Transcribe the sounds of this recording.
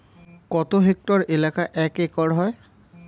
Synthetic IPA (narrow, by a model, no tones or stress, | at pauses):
kɔt̪oɦek̚tɔɹelakaʔɛkekɔɹɦɔj